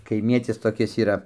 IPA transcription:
kɐɪˈmʲiɛtʲɪs toːˈkʲɪs iːˈrɐ

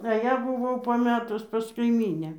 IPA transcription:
ɐ ˈjæː bʊˈʋɐʊ pɐˈmʲæːtʊs pɐs kɐɪˈmʲiːnʲæː

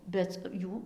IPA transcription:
ˈbʲɛt ˈjuː

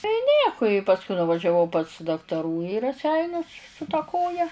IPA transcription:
tɐɪ ˈnʲiɛkʊ ɪ pɐsˈkʊɪ nʊʋɐʒʲɛˈʋɐʊ pɐs dɐktɐˈruː iː rɐˈsʲɛɪnʲʊs sʊ tɐ ˈkoːjɛ

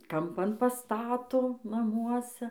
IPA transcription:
kɐmˈpɐn pɐˈstɑːtoː nɐˈmuɔsʲɛ

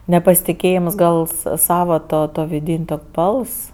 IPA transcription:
nʲɛpɐsʲɪtʲɪˈkʲeːjɪms ɡɐlˠ sɐ ˈsɑːʋɐ ˈtuɔ tuɔ ʋʲɪdʲɪnʲ toːkʲ ˈbɐlˠs

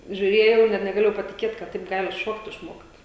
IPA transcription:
ʒʲuːˈrʲeːjɛʊ ɪr nʲɛt nʲɛɡɐˈlʲeːjɛʊ pɐtʲɪˈkʲeːt kɐt ˈtɐɪp ˈɡɑːlʲɪ ˈʃoːkt ɪʃˈmoːkt

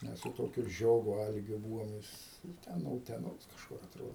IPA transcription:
ˈmʲɛs sʊ ˈtoːkʲʊ ˈʒʲoːɡʊ ˈɐlʲɡʲʊ ˈbuːʋoːm ˈjɪs ˈtʲɛn noː ʊtʲɛˈnoːs kɐʃˈkʊr ɐˈtroːdoː

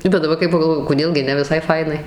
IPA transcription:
bʲɛt dɐˈbɐr kɐɪ pɐɡɐlˠˈʋoːjʊ koːˈdʲeːlˠ ɡʲɪ ˈnʲɛ ʋʲɪˈsɐɪ ˈfɐɪnɐɪ

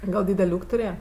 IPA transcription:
ˈɡɐlˠ ˈdʲiːdʲɛlʲ ˈuːkʲ tʊˈrʲeːjɛ

